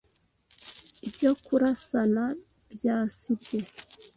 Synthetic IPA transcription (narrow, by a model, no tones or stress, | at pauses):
ibɟo̞kuɾasana | bjaːsibɟe̞